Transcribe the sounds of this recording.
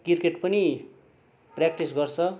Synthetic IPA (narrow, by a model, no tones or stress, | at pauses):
kirkeʈpʌni | prak̚ʈisɡʌrt͡sʰʌ